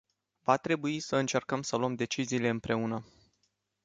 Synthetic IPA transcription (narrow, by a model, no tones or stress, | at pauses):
vat̪ɾe̞buisəɨnt͡ʃe̞rkəmsəluəmd̪e̞t͡ʃiziːle̞ɨmpɾe̞unə